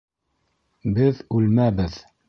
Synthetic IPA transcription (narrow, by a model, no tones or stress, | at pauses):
bɘðʉlmæbɘð